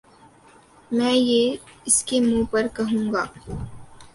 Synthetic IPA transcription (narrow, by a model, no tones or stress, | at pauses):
mɛ̃ːjeɪskemũːpɐɾkɐɦũːŋɡaː